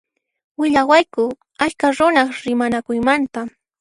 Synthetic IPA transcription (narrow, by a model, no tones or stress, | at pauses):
wɪʎawajkʊ | aʎkaɾʊnaχɾɪmanakʊjmant̪a